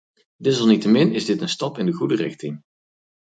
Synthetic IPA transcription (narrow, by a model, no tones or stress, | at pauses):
dɪz̬ɑlˠnitəmɪnɪzdɪtənstɑpɪndəɣudərɪxtɪŋ